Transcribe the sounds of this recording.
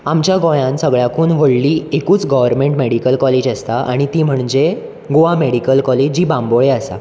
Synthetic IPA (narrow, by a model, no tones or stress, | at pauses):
amt͡ɕjaɡɔ̃jãnsəɡɭjakʰuːnʋəɭliːekuːt͡sɡɔʋəɾmẽɳʈmeɽikəlkɔled͡ʑəst̪aʔa̰ɽ̃it̪iːm̤əɳd͡ʑe | ɡoʋameɽikəlkɔled͡ʑd͡ʑiːbãmboɭeasa̰